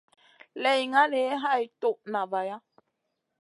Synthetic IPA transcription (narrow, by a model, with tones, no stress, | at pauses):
lejŋã˦ɾee˦ɦajt̪o˦˨nã˨βaja˦